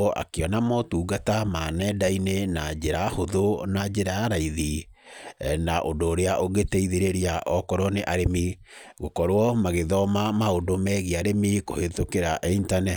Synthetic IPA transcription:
ɔʔa̰keɔnamɔtuːɣatamanɛdainenad͡ʒeɾahoðonad͡ʒeɾaaɾaiði | naʔondoːɾeaʔoɣeteiðeɾeɾiaʔɔkɔɾɔneʔaɾemiɣokɔɾwɔmaɣeðɔmamaondomɛɣeaɾemikohetokeɾaʔintanɛ

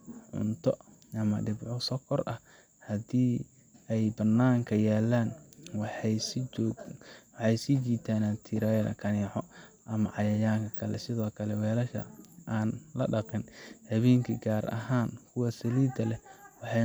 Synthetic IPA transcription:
ʕʊ̰nt̪ʰɔ | ʔɐmɐɖɪbʕɔsɔkʰɔrʔɐh | hɐd̪iː | ɛjbɐnːaːŋkʰɐjaːlaːnwħs | wɑħɑjsit͡ʃiːt̪ʰaːnat̪ʰiɾajlɐ̰kʰɐniːʕɔ | ʔɐmɐʕɑjɐjaːŋkʰɐkʰɐlɛ̰sɪðɔːkʰɐlɛwɛːlɐʃɐ̰ʔaːnlɐ̰ɖɐqɪnhɐβɛːŋkʰɐɡaːrʔɐ̰ɦaːnkʰʊwɐsɐliːd̪ɐlɛwɑħɑ

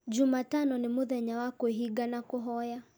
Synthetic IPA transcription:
d͡ʒumatanɔnɪmʊðɛɲawakuɦiɡanakuɦɔja

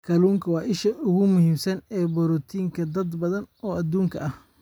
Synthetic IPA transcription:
kʰɐluːŋkʰɐwɑːʔɪʃɐʊɣʊmʊɦiːmsɐnɛːbɔɾɔt̪ʰiːŋkʰɐd̪ɐd̪bɐðɐnɔːʔɐd̪uːŋkʰɐɐh

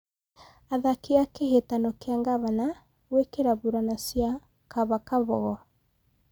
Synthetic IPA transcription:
aðakeakehetanɔkeaŋɡaβana | wekeɾaβuɾanasja | kaβakaβɔɣɔ

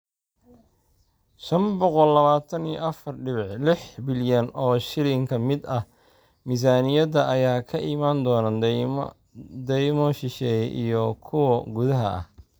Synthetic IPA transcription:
ʃɐmbɔqɔlːɐβaːt̪ʰɐnijɔ̰ʔɐfɐrɖɪβɪʕlɪħbɪljɐnɔːʃɪɾɪŋkʰɐmɪd̪ɐ | mis̬aːnɪjɐdɐʔɐjaːkʰɐʔimaːnd̪ɔːnan | d̪ɛjmɔʃɪʃɛːjɛʔijɔkʰʊwɐɡʊðɐɦɐ̰ɐ̰h

